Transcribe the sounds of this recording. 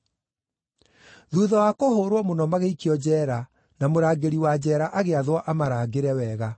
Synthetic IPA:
ðuːðɔwakohoːɾwɔmonɔmaɣeikiɔd͡ʑɛːɾa | namoɾaːɡeɾiwad͡ʑɛːɾaʔaɣeaðwɔʔamaɾaːɡeɾɛwɛːɣa

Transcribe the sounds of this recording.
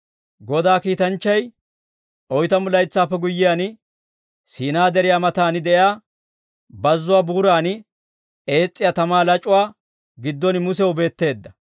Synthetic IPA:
ɡɔd̪aːkiːt̪ɐnt͡ʃːɐj | ʔɔjt̪ɐmʊlɐjt͡sːaːpːɛɡʊjːɪjaːnɪ | siːnaːd̪ɛɾɪjaːmɐt̪aːnɪd̪ɛʔjaː | bɐzːʊwaːbuːɾaːnɪ | e̞ːt͡sʼːɪjaːt̪ɐmaːlɐt͡ʃʼʊwaː | ɡɪd̪ːɔnɪmʊsɛwʊbe̞ːt̪ːe̞ːd̪ːɐ

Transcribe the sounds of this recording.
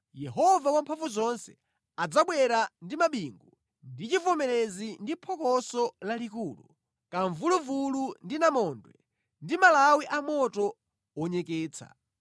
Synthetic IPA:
jɛɦɔvawampʰaɱvuzɔnsɛ̥ | ad͡zaɓwɛɾandimaɓiŋɡu | ndit͡ʃifɔmɛɾezindipʰɔkɔsɔlalikuːlṵ | kaɱvuluvulundinamɔːndwɛ̰ | ndimalawiʔamɔtɔ | wɔɲɛkɛːt͡sʰa̰

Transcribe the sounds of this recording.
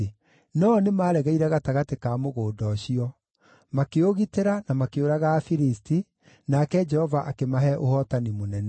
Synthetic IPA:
nɔnemaːɾɛɣaiɾɛɣataɣatekaːmoɣoːdɔɕiɔ | makeoɣiteɾanamakeoɾaɣaːfiɾisti | nakɛd͡ʒɛhɔvaʔakemaɦɛʔohɔtanimonɛnɛ

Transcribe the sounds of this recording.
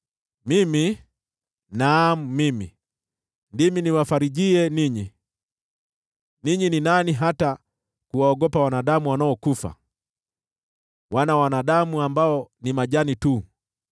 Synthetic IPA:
mimi | naːmumimḭ | ndiminiwafaɾiʄiɛniɲi | niɲininaniɦata | kuwaɔɡɔpawanaɗamuwanaɔkufa̰ | wanawanaɗamuambaɔnimaʄanitu

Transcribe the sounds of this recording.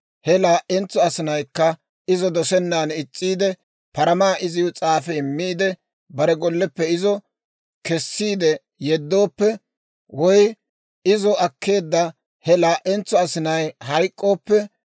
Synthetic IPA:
hɛlaːʔɛnt͡sːɔɐsɪnɐjkːɐ | ɪzɔd̪ɔsɛnːaːnɪt͡sʼːiːd̪ɛ | pɐɾɐmaːʔɪzɪjɔt͡sʼaːfɛmːiːd̪ɛ | bɐɾɛɡɔlːɛpːɛɪzɔ | kɛsːiːd̪ɛ | jɛd̪ːoːpːɛ | wɔj | ɪzɔɐkʰːe̞ːd̪ːɐ | hɛlaːʔɛnt͡sːɔɐsɪnɐjhɐjkʼːo̞ːpːɛ

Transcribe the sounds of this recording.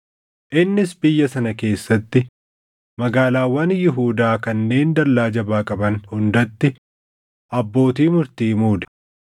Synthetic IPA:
ʔɪnːɪsbɪjːɐsɐnɐke̞ːsːɐt̪ːɪ | mɐɡaːlaːwːɐnjɪɦuːd̪aːkɐnːe̞ːnd̪ɐɾlaːd͡ʒɐbaːkʼɐbɐnhʊnd̪ɐt̪ːɪ | ʔɐbːo̞ːt̪̬iːmʊɾt̪iːmuːd̪ɐ̥

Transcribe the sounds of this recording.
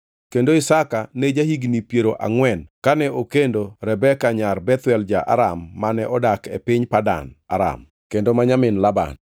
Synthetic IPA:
kendoɪsakaned͡ʒahiɡnipjeɾoʔa̰ŋwɛnkanɛʔokendoɾɛbɛkaɲarbɛt̪wɛld͡ʒaʔa̰ɾamːanɛʔɔdakepɪɲpada̰na̰ɾa̰m | kendomaɲamɪnlaba̰n

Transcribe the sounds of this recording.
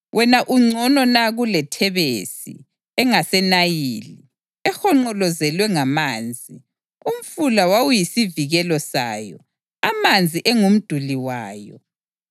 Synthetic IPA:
wʔɛnaʔuŋ͡ǀɔnɔnaɣulɛtʰɛβesḭ | ɛŋasɛnajili | ɛxɔŋ͡ǃɔlɔzɛlwɛŋamaːnd͡zʱi | um̩fulawawujisiviɣɛlɔsa̰ːjɔ̰ | amand͡zʱiʔɛŋum̩d̥ʱuliwaːjɔ̰

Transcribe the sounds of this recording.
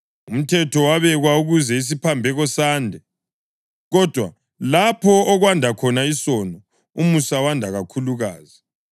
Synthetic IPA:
um̩tʰɛtʰɔwaβɛɣwauɣuzɛis̬ipʰambʱɛɣɔsaːndʱɛ | ɣɔd̥ʱwa | lapʰɔːɣwandʱakʰɔnaisɔnɔ | umusawandʱaɣakʰuluɣaːzi

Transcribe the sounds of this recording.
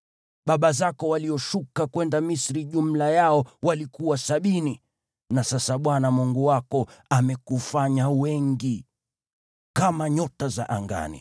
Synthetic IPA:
ɓaɓazakɔwaliɔʃukakwɛndamisɾiʄum̩lajaɔwalikuwasaɓini | nasasaɓwanamuŋɡuwakɔamɛkufaɲawɛŋɡi | kamaɲɔtazaʔaŋɡa̰nḭ

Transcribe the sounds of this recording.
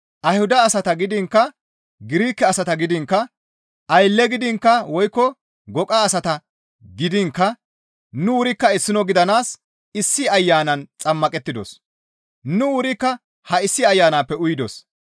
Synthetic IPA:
ʔɐjhʊd̪ɐːsɐt̪ɐɡɪd̪ɪŋkːɐ | ɡɪɾiːkːɛɐsɐt̪ɐɡɪd̪ɪŋkːɐ | ɐjlːɛɡɪd̪ɪŋkːɐwɔjkːɔ | ɡɔkʼaːsɐt̪ɐ | ɡɪd̪ɪŋkːɐ | nʊʊɾɪkːɐɪsːɪnɔɡɪd̪ɐnaːs | ɪsːɪɐjːaːnɐnt͡sʼɐmːɐkʼɛt̪ːɪd̪ɔ̰s | nʊʊɾɪkːɐ | hɐɪsːɪɐjːaːnaːpːɛʊjd̪ɔs

